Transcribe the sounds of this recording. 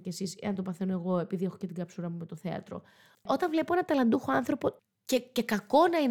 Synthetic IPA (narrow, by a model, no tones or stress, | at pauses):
cesisḛɐnt̪opɐθenoe̞ɣo̞e̞piðie̞xocet̪iŋɡɐpsuɾɐmumet̪o̞θe̞ɐ̰t̪ɾo̞̰ | o̞t̪ɐnvle̞poenɐt̪ɐlɐnd̪uxo̞ɐnθɾo̞po | cecekɐko̞nɐin